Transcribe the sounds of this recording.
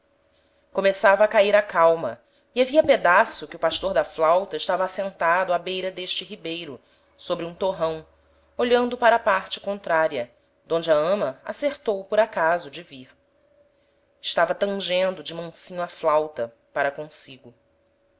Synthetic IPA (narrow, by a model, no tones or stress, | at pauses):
komesavɐːkaiɾakawmɐ̰ | iaviɐped̪asʊkɪʊpaʃt̪oɾd̪ɐflawt̪ɐiʃt̪avɐːsẽnt̪ad̪ʊabejɾɐd̪eʃt͡ʃɪɦibejɾʊ | sobɾɪũt̪oɦɐ̃w̃ | oʎɐ̃nd̪ʊpaɾɐpaɾt͡ʃɪ̥kõnt̪ɾaɾiɐ | d̪õnd͡ʒɪɐɐ̃mɐa̰seɾt̪owpʊɾakazʊd͡ʒɪviɾ | ɪʃt̪avɐt̪ɐ̃ŋʒẽnd̪ʊd͡ʒɪmɐ̃sĩɲʊaflawt̪ɐ | paɾɐkõsiɡʊ